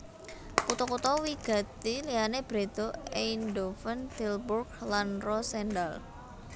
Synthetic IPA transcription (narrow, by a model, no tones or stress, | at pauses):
kut̪ɔkut̪ɔwiɡ̥a̤t̪ilianeb̥ɾet̪oeindofənt̪ilburɡlanrɔsɛndal